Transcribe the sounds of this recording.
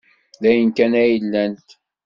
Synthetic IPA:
ðæjənkænæjəlːænt̪

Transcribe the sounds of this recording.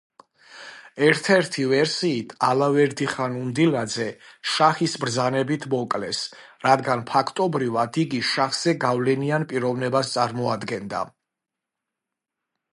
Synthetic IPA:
ɛɾt̪ʰɛɾt̪ʰivɛɾsiːt̪ʰalavɛɾd̪iχanund̪ilad̪zɛʃaχisbɾd̪zanɛbit̪ʰmɔkʼlɛs | ɾad̪ɡanpʰakʰt̪ʼɔbɾivad̪iɡiʃaχz̥ɛɡavlɛnianpʼiɾɔvnɛbast̪sʼaɾmɔad̪ɡɛnd̪a̰

